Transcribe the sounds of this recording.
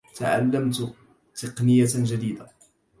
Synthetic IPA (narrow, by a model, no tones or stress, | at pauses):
t̪aʕa̰lːamt̪ | t̪əqnɪjːaʒad̪iːd̪a